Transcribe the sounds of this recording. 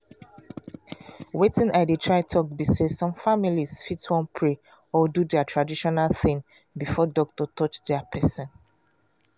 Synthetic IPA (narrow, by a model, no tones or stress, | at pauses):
wetĩnaɪdetʰɹaɪtʰɔk̚bisesɔ̃mfamiliz̥fitwɔ̃npʰɹe | ɔdudɛatʰɹadiʃɔnalθĩŋ | bifɔdɔk̚tɔtɔt͡ʃdɛapʰɛsɔ̃n